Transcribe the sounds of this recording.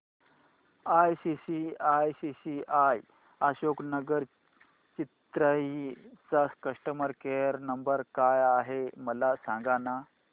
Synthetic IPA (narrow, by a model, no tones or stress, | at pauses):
ajsisiajsisiʔaj | aɕoknəɡəɾ | t͡ɕit̪ɾəit͡saskəʂʈəməɾkeəɾnəmbəɾkajaɦeməlasãŋɡana